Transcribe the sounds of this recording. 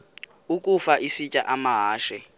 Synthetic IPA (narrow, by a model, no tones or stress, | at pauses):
ukʼufaʔisit͡ʃʼaʔamaɦaːʃɛ